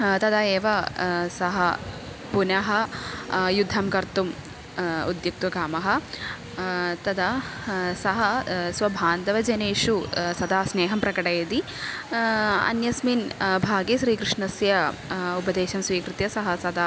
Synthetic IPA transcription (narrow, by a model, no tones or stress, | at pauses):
t̪ɐd̪aeːʋɐsɐɦɐ | punɐɦɐ | jud̪ʱːɐmkɐɾt̪um | ṵd̪juk̚t̪ʋɐɡaːmɐɦɐ | t̪ɐd̪asɐɦɐsʋɐbʱaːnd̪ɐʋɐd͡ʒɐneːʂusɐd̪aːsneːɦɐmpɾɐkɐʈɐjɐd̪i | ɐ̰njɐsminbʱaːɡiʃɾiːkɾɪʂɳɐsjɐupɐd̪eːʃɐmsʋiːkɾut̪jɐsɐɦɐsɐd̪aː